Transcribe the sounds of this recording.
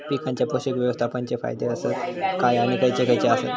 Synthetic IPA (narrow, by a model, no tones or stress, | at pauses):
pikʰãɲt͡ɕjapoɕikʋjəʋəst̪ʰapəɲt͡ɕefa̰jd̪eəsət̪kajaɽ̃ikəjt͡sekəjt͡seasə̰t̪